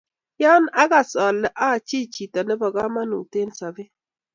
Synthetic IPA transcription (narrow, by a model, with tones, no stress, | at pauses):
jɔ˦na˦ɡa˨sɔ˨lːɛ˨ʔa˦˨t͡ʃi˦t͡ʃi˨tɔ˨nɛ˦bɔ˨ɡa˦ma˦nṵ˨te˦nsa˨bɪ˦